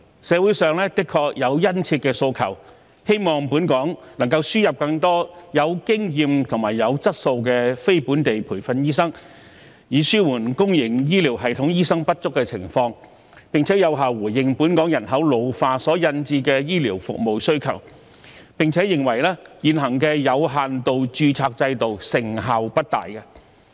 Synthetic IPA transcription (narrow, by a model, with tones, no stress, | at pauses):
sɛː˨˧wuː˨˥jsœː˨ŋlɛː˥t̪ɪ˥kʰɔː˧k̚jɐ˨˧wjɐ˥nt͡sʰiː˧t̚kɛː˧so˧wkʰɐ̰˨˩w | he˥jmɔː˨ŋpuː˨˥nkɔː˨˥ŋnɐ˨˩ŋkɐ˧wsyː˥jɐ˨p̚kɐ˧ŋt̪ɔː˥jɐ˨˧wkɪ˥ŋjiː˨˧mt̪ʰʊ˨˩ŋmaː˨˩jɐ˨˧wt͡sɐ˥t̚so˧wk̬ɛ˧fe˥jpuː˨˥nt̪e˨jpʰuː˨˩jfɐ˧njiː˥sɐ˥ŋ | jiː˨˧syː˥wuː˨˩nkʊ˥ŋjɪ˨˩ŋjiː˥liː˨˩wɦɐ˨jt̪ʰʊ˨˥ŋjiː˥sɐ˥ŋpɐ˥t̚t͡sʊ˥kːɛ˧t͡sʰɪ̰˨˩ŋfɔː˧ŋ | pɪ˨ŋt͡sʰɛː˨˥jɐ˨˧wɦaː˨wwuː˨˩jjɪ˨ŋpuː˨˥nkɔː˨˥ŋjɐ˨˩nɦɐ˨˥wlo˨˧wfaː˧sɔː˨˥jɐ˧nt͡siː˧kɛː˧jiː˥liː˨˩wfʊ̰˨k̚mo˨wsɵ˥ɥkʰɐ̰˨˩w | pɪ˨ŋt͡sʰɛː˨˥jɪ˨ŋwɐ˨˩jlɛː˥jiː˨˧nɦɐ˨˩ŋkɛː˧jɐ˨˧wɦaː˨nt̪o˨wt͡ʃyː˧t͡sʰaː˧k̚t͡sɐ˧jt̪o˨wsɪ˨˩ŋɦaː˨wpɐ˥t̚t̪a̰ː˨jkɐ˧